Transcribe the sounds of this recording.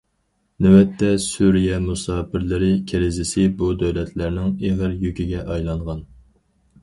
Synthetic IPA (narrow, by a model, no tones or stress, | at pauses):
nɛwɛt̪ʰːɛsuɾijɛmusɑːpɪɾlɪɾɪkʲʰeɾɪzɪsɪbud̪ɛwlɛt̪ʰlæɾnɪŋeʁəɾjykʲiɡʲɛʔɑjlˠɑɴʁɑn